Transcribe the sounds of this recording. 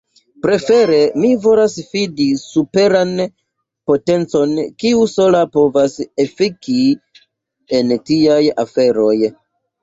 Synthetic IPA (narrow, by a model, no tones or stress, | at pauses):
pɾe̞fe̞ɾe̞mivo̞lasfidisupe̞ɾan | po̞te̞nt͡so̞nkiuso̞lapo̞vasefiki | entiaja̰fe̞ɾo̞j